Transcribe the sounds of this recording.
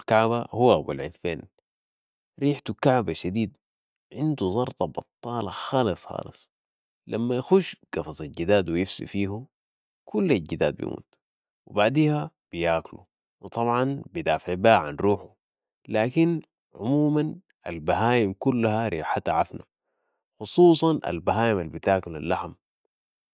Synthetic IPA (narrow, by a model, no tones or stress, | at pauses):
lkaʕbahuwːabṵlʕɪ̰tfeːn | ɾiːħt̪ukaʕbaʃad̪iːd̪ | ʕɪnd̪uzˤɑɾˤt̪ˤɑbɑt̪ˤːɑːlɑxɑːlɨsˤxɑ̰ːlɨsˤ | lʔamːajaxuːʃɡ̥ɑfɑzˤalɟid̪aːd̪wijifsḭfiːhu | kʰulːalɟid̪a̰ːd̪̚bḭmṵːt̪ | wibaʕd̪iːha | b̥ijaːklṵ | wɨt̪ˤɑbʕɑnbid̪aːfʕibaːʕa̰nɾuːħu | laːkin | ʕʕʊmuːman | ʔa̰lbaɦaːjimkulːahaɾḭːħat̪aʕafna̰ | xusˤuːsˤɑnʔa̰lbaɦaːjimalbit̪aːkla̰lːaħm